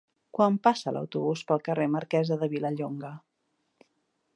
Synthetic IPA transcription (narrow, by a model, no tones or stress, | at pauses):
kwampasələ̰wt̪uβuspəlˠkəreməɾkɛzəðəβiləʎoŋɡə